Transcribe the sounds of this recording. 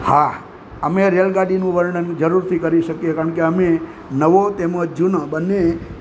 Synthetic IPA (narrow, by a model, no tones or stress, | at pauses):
ha | əmeɾelɡaɖinũʋəɾɳənd͡ʒəɾuɾt̪ʰikəɾiʃəkijekaɾəɳkeəme | nəʋot̪eməd͡ʒd͡ʒũnəbənːe